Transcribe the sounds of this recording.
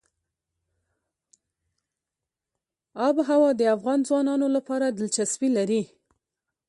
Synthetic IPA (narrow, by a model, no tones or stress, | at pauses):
ɑbɦawɑd̪əafɣɑnzwɑnɑnolapɑɾad̪əlt͡ʃaswilaɾi